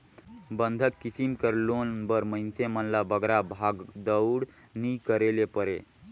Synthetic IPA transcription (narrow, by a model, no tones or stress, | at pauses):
bənd̪ʱəkːisimkəɾlonbəɾməɪnsemənlabəɡɾabʱaɡd̪əʊɽ | nikəɾelepəɾe